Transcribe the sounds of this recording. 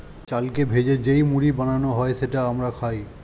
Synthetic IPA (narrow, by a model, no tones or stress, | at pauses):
t͡ɕalkebʱed͡ʑed͡ʑejmuɾibananoɦɔeʃeʈaamɾakʰaj